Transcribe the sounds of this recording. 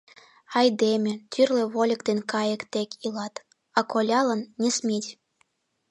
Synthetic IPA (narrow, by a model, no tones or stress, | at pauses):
ɑjd̪emʲĕt̪ʰyrlĕβolʲə̆kt̪enkɑjə̆kt̪ekʲʰilɑt̪ | ɑkolʲɑlə̆nːʲismʲitʲ